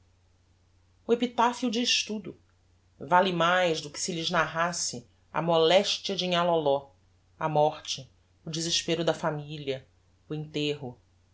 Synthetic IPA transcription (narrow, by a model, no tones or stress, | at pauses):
ʊepit̪afiud͡ʒɪːʃt̪ud̪ʊ | valɪmajzd̪ʊkɪ̥sɪlɪznaɦasɪ | ɐ̰mɔlɛʃt͡ʃiɐd͡ʒĩŋalɔlɔ | ɐmɔχt͡ʃɪ | ʊd͡ʒɪzɪʃpeɾʊd̪ɐfamiliɐ | ʊẽnt̪eɦʊ